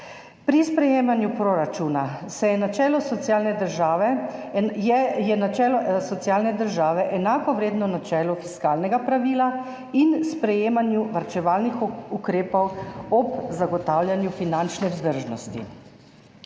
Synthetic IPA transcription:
pɾispɾɛjeːmanjupɾoɾat͡ʃuːnasɛjɛnat͡ʃɛːlɔsɔt̪sjaːlnɛd̪əɾʒaːʋɛ | ɛjɛnat͡ʃɛːlɔsɔt̪sjaːlnɛd̪əɾʒaːʋɛʔɛnaːkɔʋɾeːd̪nɔnat͡ʃɛːlɔfiskaːlnɛɡapɾaʋiːla | inspɾɛjeːmanjuʋaɾt͡ʃɛʋaːlnixukɾeːpɔwɔpzaɡɔt̪aːwljanjufinant͡ʃnɛwzd̪əɾʒnɔst̪ḭ

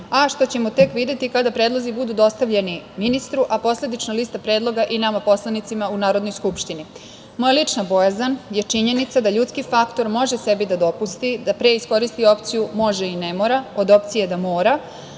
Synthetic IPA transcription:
aʃt̪o̞t͡ɕe̞mot̪e̞kʋid̪e̞t̪ikad̪apɾeːd̪lˠo̞zibud̪ud̪o̞st̪aʋʎe̞niminist̪ɾuʔapo̞sle̞d̪it͡ʃnalist̪apɾeːd̪lˠo̞ɡaʔinamapo̞slˠanit̪simaunaːɾo̞d̪nojskupʃt̪ini | mo̞jalit͡ʂnabo̞jazanje̞t͡ʂiɲe̞nit̪sad̪aʎut̪skifakt̪o̞ɾmo̞ʒese̞bid̪ad̪o̞pust̪id̪apɾe̞isko̞ɾist̪io̞pt̪sijumo̞ʒeinemo̞ɾao̞d̪o̞pt̪sijed̪amo̞ːɾa

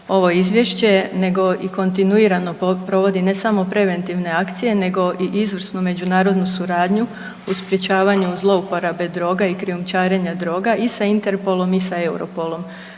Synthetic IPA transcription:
o̞ʋo̞izʋje̞ʃt͡ɕe̞ne̞ɡo̞iko̞nt̪inuiɾano̞pɾo̞ʋo̞d̪ine̞samo̞pɾe̞ʋe̞nt̪iʋne̞akt̪sije̞ne̞ɡo̞ʔiʔizʋr̩snume̞d͡ʑunaːɾo̞d̪nusuɾaːd̪ɲu | uspɾje̞t͡ɕaːʋaɲuzlˠo̞upoɾabe̞d̪ɾo̞ːɡaikɾiumt͡ʃaːɾeɲad̪ɾo̞ːɡaʔisaint̪e̞ɾpo̞lˠo̞misae̞wɾo̞polˠo̞m

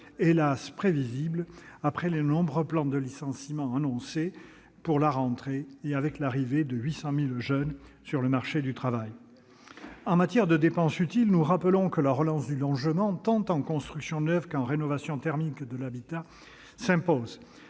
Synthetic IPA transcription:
elaspχeviziblapχɛlenɔ̃bʁøplɑ̃d̪əlisɑ̃simɑ̃anɔ̃se | puʁlaʁɑ̃t̪χeeavɛklaʁived̪əɥisɑ̃milʒœnsyʁləmaʁʃed̪yt̪χavaj | ɑ̃mat̪jɛʁd̪əd̪epɑ̃syt̪ilnuʁapəlɔ̃kəlaʁəlɑ̃sd̪ylɔ̃ʒəmɑ̃t̪ɑ̃t̪ɑ̃kɔ̃st̪χyksjɔ̃nœvkɑ̃ʁenɔvasjɔ̃t̪ɛʁmikd̪əlabit̪a | sɛ̃poz

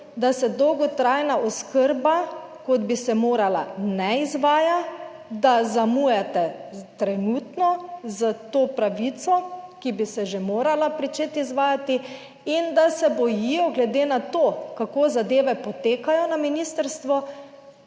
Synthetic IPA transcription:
d̪asɛd̪ɔwɡɔt̪ɾajnaʔɔskəɾba | kod̪bisɛmoːɾala̰nɛizʋaːja | d̪azamujɛt̪ɛt̪ɾɛnuːt̪nɔzət̪oːpɾaʋit̪sɔkibisɛʒemoːɾalapɾit͡ʃet̪izʋaːjat̪i | ind̪asɛbɔjijɔɡlɛd̪eːnat̪oːkakoːzad̪eːʋɛpɔt̪eːkajɔnaminiːst̪əɾst̪ʋɔ

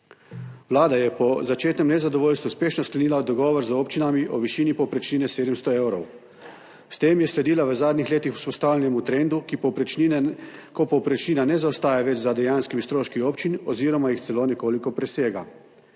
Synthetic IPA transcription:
wlaːd̪ajɛpɔzat͡ʃeːt̪nɛmnɛzad̪ɔʋoːlʲst̪ʋuspeːʃnɔsklɛniːlad̪ɔɡɔːʋɔɾzoːpt͡ʃinamiʔɔʋiʃiːnipɔpɾɛt͡ʃniːnɛseːd̪əmst̪ɔewɾɔw | st̪eːmjɛslɛd̪iːlaʋəzaːd̪nixleːt̪ixu̥spɔst̪aːwlʲɛnɛmut̪ɾeːnd̪ukipɔ | kɔpɔwpɾɛt͡ʃniːnanɛzawst̪aːjaʋɛt͡ʃzad̪ɛjaːnskimist̪ɾoːʃkioːpt͡ʃinɔziːɾɔmajixt̪sɛloːnɛkoːlikɔpɾɛseːɡa̰

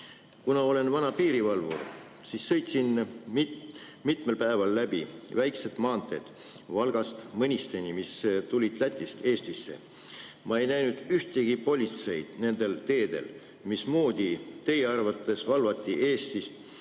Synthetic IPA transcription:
kunɑo̞le̞nvɑnɑpiːɾivɑlvṵr | sisːɤ̞jt̪sinmi | mit̪me̞lpæe̞vɑlːæb̥ivæjkse̞t̪mɑːnt̪ːˑe̞d̪̥ | vɑlɡ̥ɑst̪mɤnʲist̪e̞nʲimist̪ulʲid̪læt̪ʲːˑist̪e̞ːst̪isːe̞̰ | mɑe̞jnæjnud̪̥yht̪e̞ɡ̥ipo̞lʲit̪se̞jd̪̥ne̞nd̪̥e̞lt̪e̞ːd̪̥e̞̰l | mismuːd̪̥ʲit̪e̞jeɑrvɑt̪ːˑe̞svɑlvɑt̪ʲˑːiʔe̞ːst̪ist̪

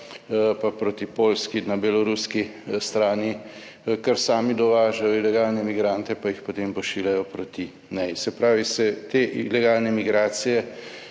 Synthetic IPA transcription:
papɾot̪ipoːlskinabɛlɔɾuskist̪ɾaːni | kɐɾsaːmid̪ɔʋaːʒajɔilɛɡaːlnɛmiɡɾaːnt̪ɛpajixpot̪eːmpɔʃiːljajɔpɾot̪i | nɛsɛpɾaːʋisɛt̪eːʔilɛɡaːlnɛmiɡɾaːt̪sijɛ

